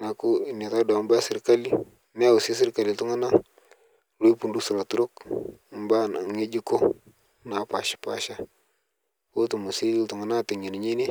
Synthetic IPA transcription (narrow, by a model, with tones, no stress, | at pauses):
na˨ku˦˨ni˨ta˦da˨˦mba˦si˦ɾka˦li˦ | me˦˨wu˨si˦si˦ɾka˨li˨tu˦ŋa˦na˦ | lu˦i˦pu˦ndu˦su˨ɾa˨tu˦ɾo˦km˦ba˦na˨ŋe˦d͡ʒi˦ko˦ | na˨˦pa˨ʃi̥˨pa̰˨ʃa˦ | wo˦tu˨mu˨si˦˨tu˨ŋa˨na˦ta˨ɲi˨ni˨ɲe˦ni˦